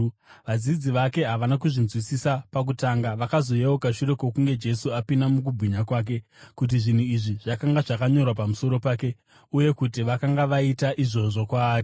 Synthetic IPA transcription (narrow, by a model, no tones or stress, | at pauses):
ʋad͡zid͡ziʋake̞ɦaʋanakuʐinzwisisapak̬utaŋɡaʋakazo̞jeokaʃuɾe̞ko̞k̬uŋɡe̞d͡ʒe̞suapinamukubʱwiɲakwaːk̬e̞kut̬iʐin̤uiʐiʐ̥akaŋɡaʐakaɲo̞rwapamuso̞ɾo̞paːke̞ | uje̞kutiʋakaŋɡaʋaitaʔiʐo̞ʐo̞kwaːri